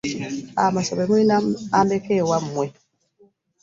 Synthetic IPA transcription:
a̰masɔbɛmwinamandɛkɛwamːwɛ

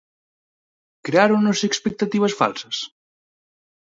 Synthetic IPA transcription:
kɾeaɾunosekspek̚t̪at̪iβ̞əsfa̰lˠsəs

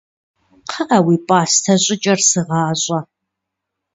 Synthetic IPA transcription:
qʰɐʔɐwiːpʼɑːstʰɐɕʼɪt͡ʃʼɐrsɨʁɑːɕʼɐ

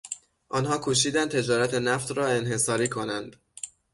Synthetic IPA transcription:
ʔɒːnɦɒːkʰuːʃiːd̪æn̚t̪ʰe̞d͡ʒɒːɾæt̪ʰenæft̪ɾɒːe̞nhe̞sɒːɾiːkʰo̞nænd̪̥

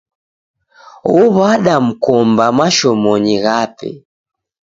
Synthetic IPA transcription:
ɔβaɗam̩kɔmbamaʃɔmɔɲiɣapɛ̰

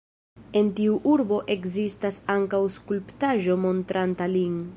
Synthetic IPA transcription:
e̞ntiuʔuɾbo̞ʔe̞kzistasaŋkawskulptaʒo̞mo̞ntɾʔantaliŋ

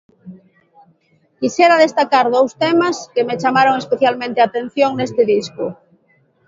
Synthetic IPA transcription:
kisjeɾað̞est̪akaɾðowst̪emaskemet͡ʃamaɾoŋespeθjalmẽnt̪eat̪ẽn̟θjoŋnest̪eðiskʊ

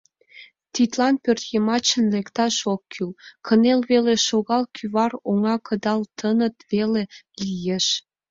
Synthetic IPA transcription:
t̪it̪lɑnpørt̪jəmɑt͡ɕənlekt̪ɑʃokʰːylkʰənelβeleʃoɣɑlkʰyβɑroŋɑkʰəd̪ɑlt̪ʰənət̪βele | lijeʃ

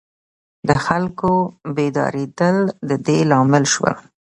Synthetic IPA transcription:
d̪əxalkobed̪ɑ̰ɾed̪əld̪əd̪elɑmɪlʃwə̰l

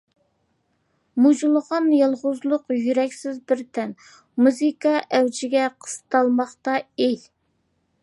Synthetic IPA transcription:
mud͡ʒulˠəʁɑnjɑlˠʁʊzlˠʊqjyɾɛkʲsɪzbɪɾt̪ʰɛn | muzikɑʔɛwd͡ʒɪɡʲɛqʰə̥st̪ɑlˠmɑχt̪ɑej

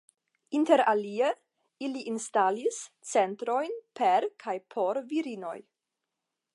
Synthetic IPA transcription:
inte̞ɾalie | iliʔinstalis | t͡se̞ntɾo̞jnpeɾkʰajpʰo̞ɾviɾino̞̰j

